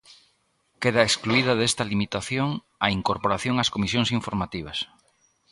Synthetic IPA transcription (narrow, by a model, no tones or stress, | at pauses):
keðɐeskluiðɐðest̪ɐlimit̪aθjoŋ | ɐiŋkoɾpoɾaθjoŋaskomisjoŋsiɱfoɾmat̪iβ̞ɐs